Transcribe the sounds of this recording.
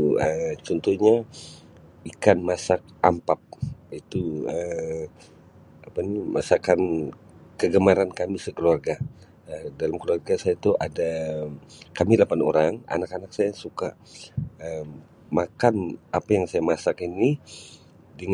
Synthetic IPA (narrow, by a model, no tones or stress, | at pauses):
ət͡ʃɔnt̪ɔhɲa | ikanmasak̚a̰mpap̚it̪uə | apanimʔasakan | kəɡəmaɾankamisəkəluarɡa | ədalamkəluarɡasajat̪uʔada | kamilapano̰ɾaŋa̰nakanak̚sajasuka | əm | makanapajaŋsajamasakini | dəŋ